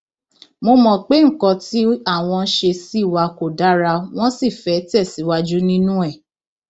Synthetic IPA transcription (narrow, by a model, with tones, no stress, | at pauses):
mo˧mɔ̃˨k͡pe˦ŋ̩˦˨kɔ̃˧ti˨˦a˦˨w̃ɔ̃˧n̩˦ʃe˧si˦˨wa˧ko˨da˨˦ɾa˧w̃ɔ̃˦si˦˨fɛ˨˦tɛ˦˨si˨˦wa˧d͡ʒu˦nĩ˦nũ˦ɛ˦˨